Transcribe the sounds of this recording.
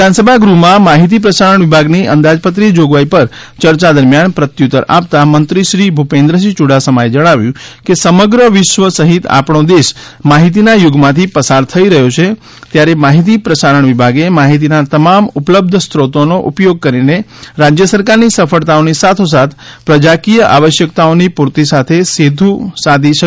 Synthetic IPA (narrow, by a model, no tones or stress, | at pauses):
ʋɪd̪ansəbʱaɡɾumãmaɦit̪ip̬ɾəsaɾəɳʋɪbʱaɡniʔənd̪ad͡ʒpət̪ɾid͡ʒoɡʋaipəɾ | t͡ʃəɾt͡ʃad̪əɾmjanpɾət̪jut̪əɾa̰pt̪amənt̪ɾiʃɾibʱupẽnd̪ɾəs̬it͡ʃuɽasəmaed͡ʒəɽ̃aʋjũkesəməɡɾəʋɪʃʋəsəɦit̪a̰pɳ̃od̪eʃmaɦit̪̬inajʊɡmãt̪ʰipəsaɾt̪ʰəiɾəɦjot͡ʃʰe | t̪jaɾemaɦit̪̬ipɾəsaɾəɳ̃ʋibʱaɡemaɦit̪̬inat̪əmamupləb̚d̪ʱst̪ʰɾot̪onoʔupjoɡ̚kəɾineɾad͡ʒjəsəɾkaɾnisəfəɭt̪aonisat̪ʰosat̪ʰpɾəd͡ʒakijəʔa̰ʋəʃjəkt̪aonipuɾt̪isat̪ʰesid̪ʱũsad̪ʱiʃə